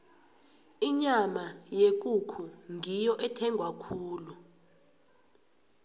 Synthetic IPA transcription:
iɲamajek̬ʼukʰuŋʱijɔʔɛtʰɛŋɡʱwakʰuːlu

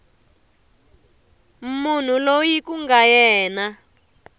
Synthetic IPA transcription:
mun̤ulojikuŋɡajɛːna

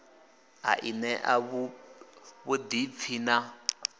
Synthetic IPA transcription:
a̰ʔinɛʔaβu | βud̪ifʰina

